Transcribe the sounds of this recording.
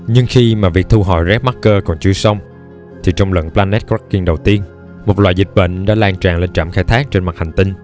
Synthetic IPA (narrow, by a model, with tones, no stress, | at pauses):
ɲɨ˧ŋxi˧maː˨˩vi˨˩ək̚t̪ʰu˧ɦɔ̰˧˩˨jzɛ˦˥p̚ma˦˥t̚kəː˧kɔ˨˩nt͡ɕɨ˧əsa˧wŋ͡m | t̪ʰi˨˩t͡ɕɔ˧wŋ͡mlə̰˧˨nplaː˧nɛ˦˥t̚ka˦˥kːi˧ŋɗə˨˩wt̪i˧ən | mo˨˩t̚lwa̰ː˧˨jzi˨˩t̚ɓḛ˧˨ŋ̟ɗa̰ː˧˥laː˧ŋt͡ɕa̰ː˨˩ŋle˧nt͡ɕaː˧˩mxaː˧jt̪ʰaː˦˥k̚t͡ɕe˧nma˨˩t̚ha˨˩jŋ̟t̪ï˧ŋ̟